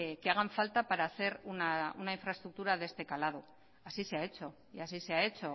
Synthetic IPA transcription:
keaɣ̞aɱfalt̪apaɾaːθe̞ɾunaunaiɱfɾaest̪ɾuk̚t̪uɾaðe̞st̪e̞kalað̞u | asiseae̞t͡ʃo̞ | iasise̞ae̞t͡ʃo̞

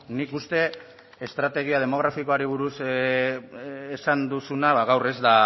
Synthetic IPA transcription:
nikust̪e̞ː | st̪ɾat̪e̞ɣ̞iað̞e̞mo̞ɣ̞ɾafiko̞aɾiβ̞uɾus | esand̪usunaβaɣawre̞zd̪a

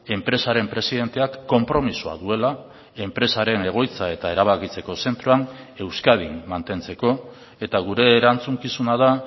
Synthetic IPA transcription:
e̞mpɾe̞saɾe̞mpɾe̞siðe̞nt̪e̞akːo̞mpɾo̞misua̰ðue̞la | e̞mpɾe̞saɾe̞ne̞ɣ̞o̞jt͡sae̞t̪ae̞ɾaβ̞akit͡se̞ko̞se̞nt̪ɾoane̞wskað̞imːant̪e̞nt͡se̞ko̞ | e̞t̪aɣuɾe̞ːɾant͡suŋkisunaða

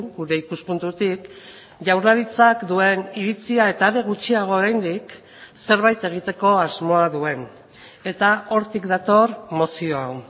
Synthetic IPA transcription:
ɡuɾe̞ikuspunt̪ut̪ik | ʝawɾlaɾit͡sakd̪ue̞niɾit͡siae̞t̪aːðe̞ɣ̞ut͡siaɣ̞o̞ːɾajnd̪ik | se̞ɾβ̞ajt̪e̞ɣ̞it̪e̞ko̞azmo̞aðue̞n | e̞t̪ao̞ɾt̪ikd̪at̪o̞ɾmo̞sio̞aw

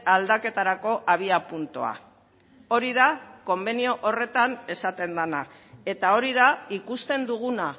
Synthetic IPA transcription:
ald̪ake̞t̪aɾako̞ʔaβ̞iapunt̪o̰a̰ | o̞ɾiðako̞mbe̞nio̞ʔore̞t̪ane̞sat̪e̞nd̪ana | e̞t̪ao̞ɾiðaikust̪e̞nd̪uɣuna

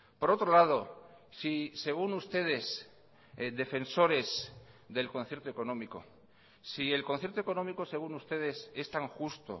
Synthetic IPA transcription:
po̞ɾo̞t̪ɾolað̞o̞ | sise̞ɣ̞unust̪e̞ð̞e̞s | d̪e̞fẽ̞nso̞ɾe̞zðe̞lkonθje̞ɾt̪oe̞ko̞nõ̞miko̰ | sie̞lkonθjeɾt̪oeko̞nomikose̞ɣ̞unust̪e̞ð̞e̞se̞st̪aŋxust̪o̰

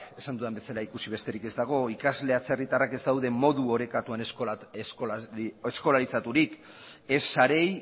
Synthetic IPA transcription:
e̞sand̪uðambe̞salaikusiβe̞st̪e̞ɾike̞zd̪aɣ̞o̞ikazle̞at͡se̞rit̪arake̞zd̪awðe̞mo̞ðuo̞ɾe̞kat̪uans | esko̞laɾisat̪uɾik | e̞saɾe̞j

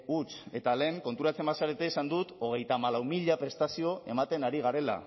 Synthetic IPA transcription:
ut͡se̞t̪ale̞ːŋko̞nt̪uɾat͡se̞masaɾet̪eisand̪ut̪o̞ɣ̞e̞jt̪amalawmiʎapɾe̞st̪asio̞e̞mat̪e̞naɾiɣaɾe̞la̰

